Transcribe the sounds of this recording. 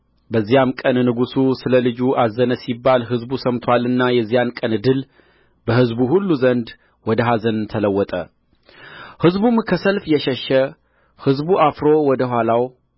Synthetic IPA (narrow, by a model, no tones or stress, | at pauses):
bəzːijamkʼənnɨɡususɨləlɨd͡ʒuʔazːənəsibːalɦɨzbusəmt̪ʰwalɨnːajɛzːijankʼənɨd̪ɨl | bəhɨzbuhulːuzənd̪ | wɔd̪əɦazənt̪ʰələwːɔt̪ʼə | hɨzbumkʰəsəlfjɛʃɛʃːə | hɨzbuʔafɾo̞wɔd̪əɦʷwalaw